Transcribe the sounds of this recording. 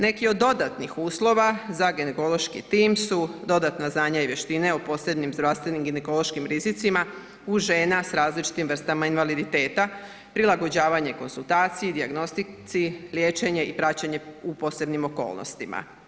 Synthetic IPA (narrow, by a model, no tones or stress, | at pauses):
ne̞kio̞d̪ːo̞d̪at̪nixuːslˠo̞ʋazaɡeneko̞lo̞ʃkḭt̪iːmsud̪o̞d̪at̪naznaːɲaiʋje̞ʃt̪ine̞opo̞ːse̞bnimzd̪ɾaʋst̪ʋe̞nimɡineko̞lo̞ʃkimɾizit̪sima | uʒeːnasɾaːzlit͡ʃi̥t̪imr̩st̪amainʋalid̪it̪e̞ːt̪a | pɾilˠaɡo̞d͡ʑaːʋaɲe̞ko̞nsulˠt̪aːt̪sijid̪iaɡno̞st̪it̪silje̞ːt͡ʃe̞ɲe̞ipɾat͡ɕaɲe̞upo̞ːse̞bnimo̞ko̞̰ːlˠnʔo̰st̪ima̰